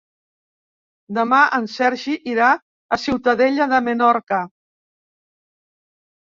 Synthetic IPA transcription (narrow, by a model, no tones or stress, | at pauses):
d̪əmaʔənsɛɾʒiʔiɾa | əsiwt̪əðɛʎəðəmənɔɾkə